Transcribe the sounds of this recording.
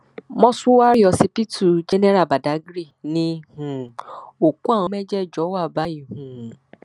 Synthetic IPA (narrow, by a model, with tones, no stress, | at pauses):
mɔ̃˦su˦wa˦ɾi˦ɔ˧si˧pi˦tu˦˨d͡ʒɛ˦nɛ̃˦ɾa˦˨ba˨da˨˦ɡɾi˦˨nĩ˦hũ˨o˨kũ˦ã˦˨ɔ̃˧˦mɛ˦d͡ʒɛ˦˨d͡ʒɔ˨˦wa˦˨ba˨˦i˦˨hũ˨